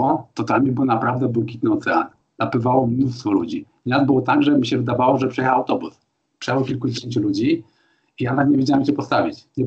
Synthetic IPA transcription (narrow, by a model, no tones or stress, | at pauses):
at̪ɔt̪amʲibɔnapɾavd̪ɛbwɛkʲit̪nɘɔt̪sɛa̰n | napɘvawɔmnust̪fɔlṵd͡ʑi | ɲʲazbɘwɔt̪aɡʐɛmʲiɕɛvɘd̪avawɔʐɛpʂɛjɛxawawt̪ɔbus | pʂɛjawɔkʲilkud͡ʑeɕeɲt͡ɕulud͡ʑi | ijanakɲevʲjed͡ʑawamit͡ɕɛpɔst̪avʲit͡ɕɲɛ